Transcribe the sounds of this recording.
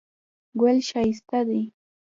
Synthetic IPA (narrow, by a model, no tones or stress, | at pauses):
welʃaɪst̪ad̪ɪ